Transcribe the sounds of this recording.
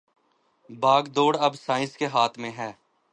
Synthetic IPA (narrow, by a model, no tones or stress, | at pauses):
baːɡd̪oːɽəbsaːɪ̃skeɦaːt̪ʰmẽɦɛː